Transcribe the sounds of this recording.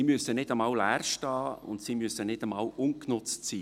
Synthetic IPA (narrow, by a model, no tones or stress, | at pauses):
iːmyəsənɪdəmɑːwlæːrʃtɑːʊ̰ntsiːmysənɪdəmɑwʊnknʊt͡stsiː